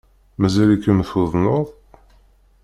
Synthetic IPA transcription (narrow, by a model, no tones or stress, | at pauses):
mæzælikːəmθuðˤnʊðˤ